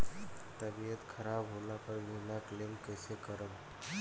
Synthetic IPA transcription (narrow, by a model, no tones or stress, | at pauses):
t̪əbiət̪kʰəɾabɦolapəɾmilaklemkəsekəɾəm